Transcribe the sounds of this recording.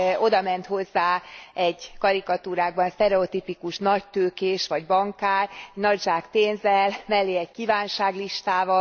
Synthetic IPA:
o̞d̪ɒmɛn̪t̪ho̞zːaːɛɟkɒɾikɒt̪uːɾaːɡ̚bɒnst̪ɛɾɛot̪ipikuʃnɒc̚t̪øːkeːʃʋɒɟbɒŋkaːrnɒɟʒaːkt̪eːnzɛlmɛlːeːɛckiːvaːnʃaːɡliʃt̪aːvɒ

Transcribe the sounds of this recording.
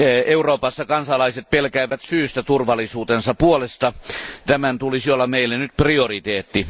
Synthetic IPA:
euroːpɑsːɑkɑnsɑlɑiset̪̚pelkæiʋˑæt̪syːst̪æt̪urʋɑlːˑisuːt̪ensɑpuolest̪ɑt̪æmænt̪ulisiolːɑmeilːennyt̪̚priorit̪eːt̪ːi

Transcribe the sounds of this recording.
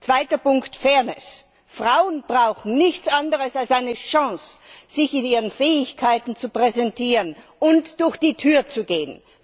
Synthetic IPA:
t͡sv̥aɪtɐpʊŋktfɛɐnɪs | fʁ̥aʊənb̥ʁaʊxn̩nɪçt͡sʔandəʁəsalsaɪnəʃɑ̃ŋsz̥ɪçɪniːʁənfɛːɪçkʰaɪtn̩t͡supʁ̥ɛzɛntiːʁən | ʔʊntd̥ʊɐçd̥iːtʰyːɐt͡suɡeːən

